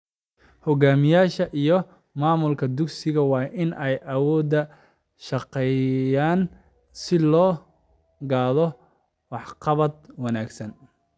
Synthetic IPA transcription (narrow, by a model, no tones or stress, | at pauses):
hɔɡaːmɪjaːʃɐʔijɞ | maːmʊlkʰɐd̪ʊɡsɪɣɐwɑːʔɪnʔɛjʔɐwɔːd̪ɐ | ʃɑqɛjaːn | sɪlɔː | ɡaːðɔ | wɑħqɑβɐd̪wɑnaːɡsɐn